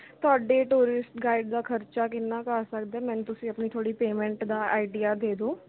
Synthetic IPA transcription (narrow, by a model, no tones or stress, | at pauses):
t̪ʊaːɖeːʈuːɾɪsʈɡaːɪɖ̚d̪aːkʰəɾt͡ʃaːkɪnːaːkaːsək̚d̪ɛːmɛ̃ːnt̪ʊsĩːəpnit̪ʰoːɽiːpeːmɛ̃ɳʈd̪aːaːɪɖijaːd̪eːd̪oː